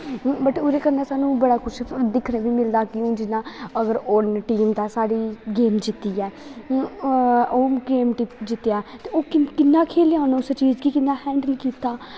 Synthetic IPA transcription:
bəʈʊːɾeːkəɾnaːsaːnũːbəɽaːkʊt͡ʃʰd̪ɪkʰneːʋiːmɪld̪aːkɪũːd͡ʒɪnãːəɡəɾonʈiːmt̪aːsaːɽiːɡeːmd͡ʒɪt̪ːiːɛː | oːɡeːmʈːd͡ʒɪt̪ːejaːt̪eːoːkɪkɪnːaːkʰeːlaːnːʊst͡ʃiːd͡ʒkikɪnːãːhɛ̃ːɳɖəlkiːt̪aː

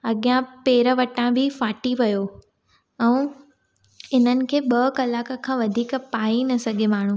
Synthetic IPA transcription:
ɐɠijãpeːɾəʋɐʈãbʱɪfaːʈiʋɐjoː | ɛ̃ː | ɪn̤ənɪ̆kʰeːɓɐkɐlaːkəkʰãːʋɐd̪ʱiːkpaːinɐsɐɠʱemaːɳ̤ũː

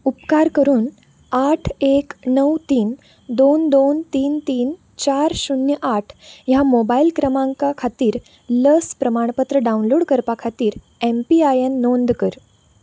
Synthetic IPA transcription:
upkaɾkəɾuːn | aʈʰeknəwt̪iːn | d̪ond̪ont̪iːnt̪iːn | t͡ɕaɾɕunjəʔaʈʰjamobailkɾəmãŋkakʰat̪iːɾ | ləspɾəmaɳ̃pət̪ɾəɖaunloːɽkəɾpakʰat̪iːɾ | empiajenːond̪kəɾ

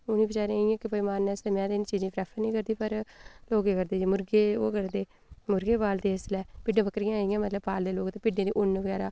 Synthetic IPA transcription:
ʊnĩːbɪt͡ʃaːɾẽijãːkɪpəimaːnːɛːsəmãːd̪eɪnːt͡ʃiːzĩːpɾɛːpʰəɾnĩːkəɾd̪iːpəɾloːkeːkəɾd̪eːd͡ʒiːmʊɾɡeːo̰ːkəɾd̪eː | mʊɾɡeːpaːld̪eːɪslɛːpɪɖẽːbəkɾijãːɪjãːmət̪ləbpaːld̪eːloːkt̪ẽːpɪɖẽːd̪ḭːʔʊnːʋəɡɛːɾaː

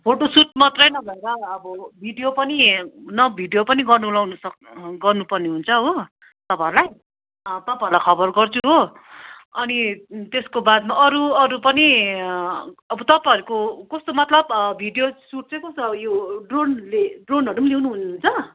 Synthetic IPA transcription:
pʰoʈosuʈ̚mʌt̪rʌjnʌbʱʌeɾʌːbʌbʱiɖijopʌninʌbʱiɖijopʌniɡʌrnulawnʌsʌkɡʌrnupʌrneɦunt͡sʰʌːbʌ | t̪ʌpãeɾulaj | t̪ʌpãeɾulajkʰʌbʌrɡʌrt͡sʰuɦo | ʌnit̪eskobad̪̚maʔʌɾuʌɾupʌni | ʌbʌt̪ʌpajʌɾukokʌst̪omʌt̪lʌbbʱiɖijosuʈ̚t͡sʌjkʌsbjoɖronleɖronɦʌɾumlewnuɦunɦunt͡sʰʌ

